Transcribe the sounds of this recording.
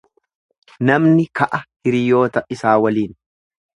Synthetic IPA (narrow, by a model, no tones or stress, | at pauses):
nɐmnɪkɐʔɐhɪɾɪjo̞ːt̪ɐʔɪsaːwɐliːn